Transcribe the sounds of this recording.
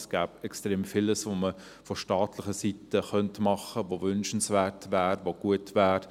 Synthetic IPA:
sɡ̥æːbɛkstʁeːmfɪləsʋomə | fɔʃtɑːtlɪχəsitəχœntmɑχəʋoʋʏnʃn̩sʋæːɾtʋæːɾʋoɡ̥uətʋæːɾ

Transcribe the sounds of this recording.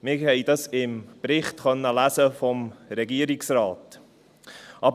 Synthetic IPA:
mɪhɛɪd̥ɑsɪmbɾɪχtχœnːəlæsəfɔmɾɛɡiəɾɪksrɑːt | ʔɑb

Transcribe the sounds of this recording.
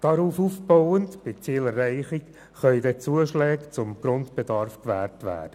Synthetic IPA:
d̥ɑɾuːfuːfb̥ɔʊəntb̥ɪt͡siːlɛrːɛɪχik | χœʏdɛt͡suəʃlɛːkt͡sʊmɡ̥ɾʊntbɛdɑɾfkʋæːɾtʋæ̰ːd̥ə

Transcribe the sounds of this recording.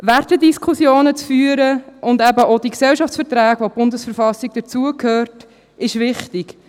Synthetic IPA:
værtədiskʰχusjoːnət͡sfyːəɾəʔʊndæbəʔod̥iksɛlʃɑft͡sfəɾtɾæːɡʋob̥ʊndəsfəɾfɑsiɡ̚d̥ət͡suəkʰhøːɾt | ɪʃʋɪχtik

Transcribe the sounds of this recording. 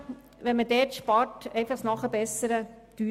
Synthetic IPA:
ʋɛnmədɛːtʃpɑɾtɛɪfɑχnɑχəbɛsəɾə | d̥yː

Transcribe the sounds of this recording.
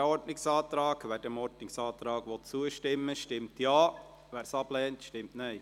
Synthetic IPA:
ɔɾdnɪksɑːtɾɑːɡʋæd̥əmɔɾdnɪksɑːt̪ɾɑːɡʋɔt̚t͡suəʃtɪmːəʃtɪmtjɑː | ʋæːɾsɑb̥lɛːntʃtɪmtnɛɪ

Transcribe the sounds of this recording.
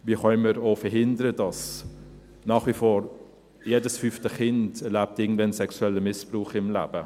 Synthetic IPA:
ʋiːχœɪməɾoːfəɾɦɪndəɾəd̥ɑs | nɑːχʋifoːɾ | jeːdəsfyftəχɪndɛɾlæp̚tɪɡŋ̩d̥vɛnsɛksuɛlːəmɪspruːχɪmlæ̰ːbə

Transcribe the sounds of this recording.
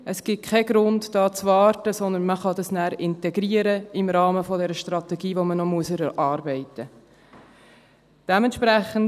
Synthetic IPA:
ʔəsɡ̥ɪt̚kʰɛɡ̥ɾʊndd̥ɑːt͡svɑːɾtəsɔnd̪ənməχɑdɑsnæːɾɪntɛɡɾiːəɾəɪmɾɑːməfɔdɛɾəʃtɾɑt̪ɛɡiːʋomənɔmuəsəɾɛɾʔɑːɾbɛɪtə | d̥ɛmɛntʃpɾæχən

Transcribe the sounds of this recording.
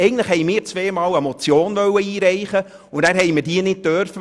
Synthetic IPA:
ɛɪɡəntləχhɛjmɪːɾt͡sʋeːmɑːwɛmɔt͡sjoːnvœwːəiːɾɛɪχə | ʊndæːɾɦɛjmədiənɪt̚tøɾfə

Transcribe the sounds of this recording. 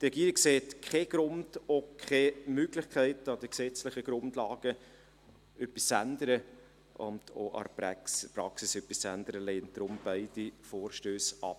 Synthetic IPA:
trɛɡiːɾɪkseːtkʰeɡ̥ɾʊnd̥okʰχeːmøɡlɪχkʰæɪtɑd̥əksɛt͡slɪχəɡ̥ɾʊndlɑːɡ̥ə | ʔœpːist͡sændəɾə | ʔʊ̰nd̥o̰ʔɑ̰ɾppɾɑksisœpːist͡sændəɾəleːn̚d̥̪ɾʊmb̥æɪd̥ifoːɾʃtøːsɑ̰p

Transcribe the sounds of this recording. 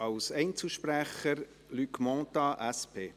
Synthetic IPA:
ɑwsɛɪnt͡səʃpɾæχəɾ | lykmɔ̃ːt̪ɑʔæspʰeː

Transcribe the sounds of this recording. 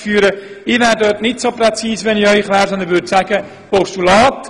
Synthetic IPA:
fyːɾə | ɪʋæːɾdœɾtnɪtsoprɛt͡siːsʋɛnɪœʏχʋɛːɾsɔnd̪ənʋʏɾdsaːɡə | pɔʃtulɑːt

